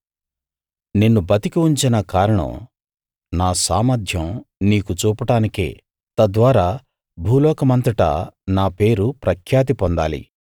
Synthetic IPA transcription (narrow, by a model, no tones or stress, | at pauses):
nenːubɐt̪ikiuɲt͡ʃinɐkaːɾɐɳɐ̰m | naːsaːmɐd̪ʱjɐmniːkut͡ʃuːpɐʈaːnikḛː | t̪ɐd̪ʋaːɾaː | bʱuːlɔːkɐmɐnt̪ɾiʈɐ̰naːpe̞ːɾupɾɐkʰjaːt̪̬ipɔnd̪a̰ːlḭ